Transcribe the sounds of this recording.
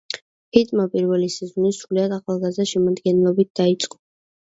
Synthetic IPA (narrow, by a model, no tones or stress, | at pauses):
pit̪ʼmapʼiɾvɛlisɛzɔnisɾuliad̪aχalˠɡazaʃɛmad̪ɡɛnɛlˠɔbit̪̚d̪̥ait̪sʼqʼɔ